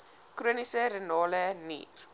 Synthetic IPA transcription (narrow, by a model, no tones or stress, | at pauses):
kruənisəɾənɑːlənḭːr